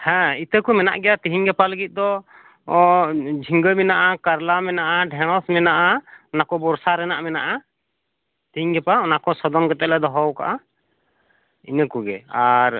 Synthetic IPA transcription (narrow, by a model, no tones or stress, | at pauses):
hɛ̃it̪əkumɛna̰ʔɡɛjat̪iɦiŋɡɛpaləɡit̪̚ˀd̪ɔ | d͡ʒʱiŋɡəmɛnaʔakaɾlamɛnaʔaɖʱɛnɔsmɛnaʔaɔnakɔbɔɾsaɾɛnaʔmɛnaʔa | t̪iɦiŋɡɛpaɔnakɔsɔd̪ɔnɡɛt̪ɛʔlɛd̪ɔɦɔwka̰ʔa | ḭnəkuɡɛ̰aɾ